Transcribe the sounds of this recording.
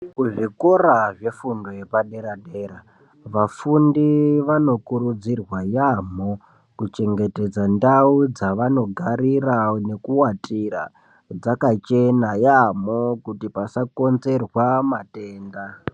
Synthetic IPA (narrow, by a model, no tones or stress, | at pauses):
kuʐikoɾaʐe̞fundo̞jepaɗe̞ɾaɗeɾa | ʋafundiʋano̞kuɾud͡zirwajamo̞ | kut͡ʃe̞ŋɡe̞te̞d͡zandaud͡zaʋano̞ɡʱaɾirane̞kuwatʰira̰ | d͡zakat͡ʃe̞najamo̞kutipasako̞nze̞rwamate̞ːnda